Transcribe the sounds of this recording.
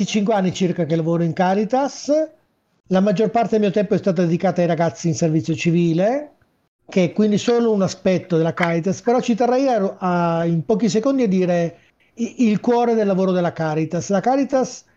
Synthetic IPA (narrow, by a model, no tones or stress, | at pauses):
it͡ʃiŋkweanːit͡ʃirkakelːavoːɾoiŋkaɾit̪as | lamad͡ʒːorpart̪edemiːot̪ɛmpoɛst̪aːt̪ad̪ed̪ikaːt̪aːjɾaɡat̪sːiːnservit̪sːjot͡ʃiviːle | keɛkːwind̪isoːlounaspɛt̪ːod̪elakaɾit̪aspeɾɔt͡ʃit̪erːɛjaaimpɔːkis̬ekond̪iad̪ːiːɾe | ilkwɔːɾed̪elːavoːɾod̪elakaɾit̪aslakaɾit̪as